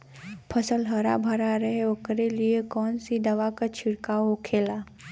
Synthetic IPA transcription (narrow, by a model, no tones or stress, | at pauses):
pʰəsəlɦəɾa̰bʱɐɾaɾɐɦeokɾeliekɔːnsid̪ɐʋakat͡ʃʰɪɽkaːɦokʰeːla